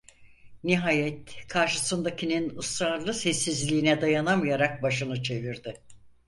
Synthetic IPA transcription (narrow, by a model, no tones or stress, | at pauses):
niɦaːjɛt̪kʰaɾʃɯsɯnd̪acʰininɯsɾaɾlˠɯsɛsːizlʲiːnɛd̪ajanamɯjaɾak̚baʃɯnɯt͡ʃʰe̞viɾd̪ɪ